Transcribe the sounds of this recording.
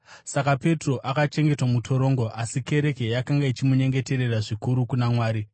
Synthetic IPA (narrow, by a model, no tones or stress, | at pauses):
sakape̞tro̞ʔakat͡ʃe̞ŋɡe̞twamutʰo̞ɾo̞ːŋɡo̞ʔasike̞ɾe̞ke̞jakaŋɡait͡ʃimuɲe̞ŋɡe̞te̞ɾe̞raʐikuɾukunamwaːɾi